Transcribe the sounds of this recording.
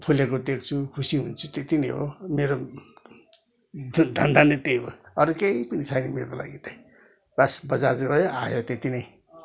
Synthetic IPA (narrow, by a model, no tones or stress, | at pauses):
p̪ʰulekod̪ekʰt͡sʰukʰusiɦunt͡sʰut̪et̪inʌjɦo̰meɾo | d̪ʱʌnd̪anet̪ejbo̰ʌɾkejpʌnit͡sʰajnemekola̰ɡit̪ʌj | basbʌd͡zarɡʌjoajot̪et̪inʌj